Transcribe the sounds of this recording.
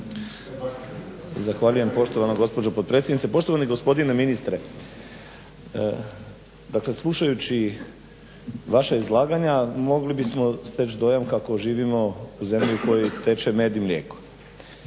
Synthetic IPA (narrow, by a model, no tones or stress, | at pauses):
zaxʋaʎuje̞mpo̞ʃt̪oʋanoɡo̞spo̞d͡ʑopot̪pɾe̞t̪sʲjd̪nit̪epo̞ʃt̪o̞ʋaniɡo̞spo̞d̪ineminist̪ɾe̞ | d̪akle̞slˠuʃajut͡ɕi | ʋaʃaizlˠaːɡaɲamo̞ɡlibismo̞st̪et͡ɕd̪o̞jamkako̞ʒiːʋimo̞uze̞mʎiuko̞jit̪e̞t͡ʃeme̞ːd̪iimlʲje̞ːko